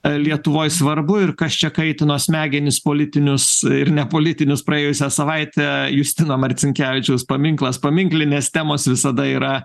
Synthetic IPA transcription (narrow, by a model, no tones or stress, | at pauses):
lʲiɛt̪ʊʋoːjsʋɐɾbʊɪrkɐst͡ʃʲɛkɐɪt̪ʲɪnuɔsʲmʲæːɡʲɪnʲɪspoːlʲɪt̪ʲɪnʲʊsɪɾnʲɛpoːlʲɪt̪ʲɪnʲʊspɾɐeːjʊsʲɛsɐʋɐɪt̪ʲɛjʊsʲt̪ʲɪnoːmɐɾʲt̪t͡s̪ʲɪŋʲkʲæːʋʲɪt͡ʃʲɛʊspɐmʲɪŋklˠɐspɐmʲɪŋklʲɪnʲeːst̪ʲæːmoːsʋʲɪsɐd̪ɐiːɾɐ